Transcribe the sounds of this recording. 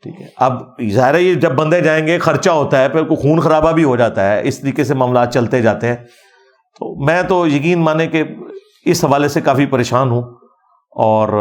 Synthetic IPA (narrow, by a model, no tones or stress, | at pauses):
ʈʰḭːkɦɛ̰ʔɐbzaːɦɪɾajed͡ʒɐbːɐ̃nd̪ed͡ʒaːẽːŋɡexɐɾt͡ʃaɦoːt̪aɦɛːpʰɪɾkoxuːnxɐɾaːbabʱiɦod͡ʒaːt̪aɦɛːʔɪ̰st̪ɐɾiːkesemãːmlaːt̪̚t͡ʃɐlt̪ed͡ʒaːt̪eɦɛ̃ː | t̪o̰ːmɛ̃ːt̪ojɐkiːnmaːneke | ɪsɦɐʋaːlesekaːfipɐɾeːʃaːnɦũː | ɔːɾ